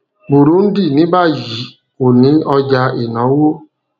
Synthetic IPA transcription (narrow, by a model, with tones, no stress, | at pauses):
bu˨ɾu˨˦n̩˦di˦˨nĩ˦ba˦˨ji˨˦ | o˨nĩ˨˦ɔ˧d͡ʒa˧˦e˨nɔ̃˨˦wo˦